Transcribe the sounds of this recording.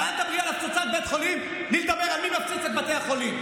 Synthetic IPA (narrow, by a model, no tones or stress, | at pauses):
at̪abʁijalaft͡sot͡sat̪̚bet̪χolim | lilt̪abeʁamimaft͡sit͡set̪bat̪ehaχolim